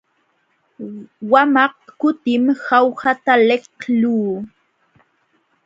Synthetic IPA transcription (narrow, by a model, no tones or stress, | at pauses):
wamɑq̚kʊt̪ɪmhawhat̪aleχluː